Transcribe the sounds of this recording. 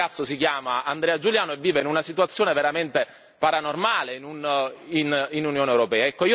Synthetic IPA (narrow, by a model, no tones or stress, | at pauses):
at̪sːos̬ikjaːmaand̪ɾeːad͡ʒuljaːnoɛvːiːveinunasit̪uat̪sːjoːneveɾament̪e | paɾanormaːleinunininunjoːnewɾopɛːaɛkːoiː